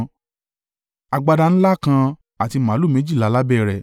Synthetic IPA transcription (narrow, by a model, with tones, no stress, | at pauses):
a˨ɡ͡ba˧da˧ñ̩˦la˦˨kã˧ | a˨ti˧mã˨˦lu˦˨mẽ˨˦d͡ʒi˦˨la˨˦la˦bɛ˦˨ɾɛ˨